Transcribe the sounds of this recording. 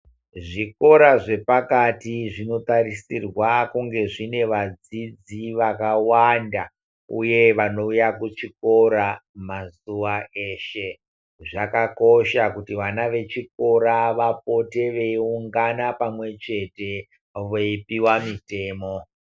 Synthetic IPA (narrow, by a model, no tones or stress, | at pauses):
ʐiko̞ɾaʐe̞pakatiʐino̞tarisirwakuŋɡe̞ʐine̞ʋad͡zid͡ziʋakawanda | ṵje̞ʋano̞ujakut͡ʃiko̞ɾamazuʋae̞ːʃe̞ | ʐakako̞ʃakutiʋanaʋe̞t͡ʃiko̞ɾaʋap̚o̞te̞ʋe̞iuŋɡanapamwe̞t͡ʃe̞te̞ | ʋoipiwamite̞ːmo